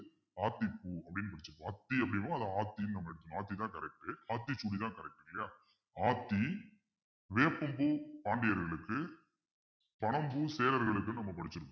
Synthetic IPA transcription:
aːt̪ːipːuːɐpːɐɽɪnːɯpɐɽɪt͡ʃːɐpaːt̪ːiɐpːɐɽɪnpãːɐðãaːt̪ːijnnɐmːɐɛɽɯt̪ːɯkːõaːt̪ːit̪ãːkɐɾɛk̚ʈɯaːt̪ːit͡ʃuːɽit̪ãːkɐɾɛk̚ʈːɯŋɡɐjaː | aːt̪ːi | ʋeːpːɐmbuːpaːɳɖɪjɐɾɣɐɭɯkːɯ | pɐɳɐmbuːseːlɐɾɣɐɭɯkːɯnɐmːɐpɐɽɯt͡ʃːɪɾɯkː

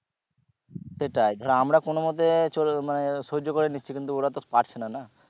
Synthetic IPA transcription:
seʈajd̪ʱɔɾamɾakonomot̪emanesoɦod͡ʑːokoɾeniːt͡ɕʰikint̪uoɾat̪opaʈt͡ɕʰenana

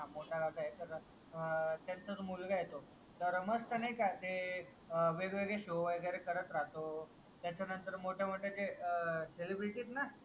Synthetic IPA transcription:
amoʈʰaɡaɡ̪ajet̪əɾ | t̪jant͡sət̪omulɡajet̪o | t̪əɾməst̪ənajkat̪e | ʋeɡʋeɡɭeɕoʋəɡɾekəɾət̪ɾat̪o | t̪jat͡ɕanənt̪əɾmoʈʰjaməʈːet̪eselibɾiʈiːt̪na

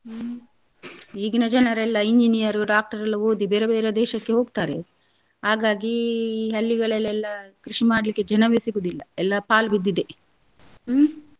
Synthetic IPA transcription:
iːɡinɐd͡ʒɐnɐɾɛlːɐiɲd͡ʒinijɐɾuɖaːk̚ʈɐɾɐlːɐoːd̪ibeːɾebeːɾed̪ɛːʃɐkːeɦo̞ːɡ̚t̪aːɾe̞ | haːɡaːɡiɦɐlːiɡɐɭɛlːɛlːɐkɾiʂimaːɽɐlikːe̞d͡ʒɐnɐʋesiɡud̪ilːɐɛlːɐpaːlbid̪ːid̪e̞

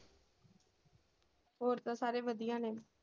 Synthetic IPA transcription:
ɦoːɾt̪ãːsaːɾeːʋəd̪ijãːneː

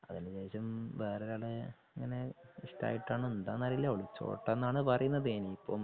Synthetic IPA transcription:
ɐðinɨd͡ʑeːɕɐmʋe̞ːreɾaːɭeiŋːɐne̞iʂta̰ːjiʈːaːɳɨend̪aːnːɐrijilːɐoɭit͡ɕːo̞̰ːʈːɐnːaːɳɨpɐrɐjunːɐðeːnipːo̰ː

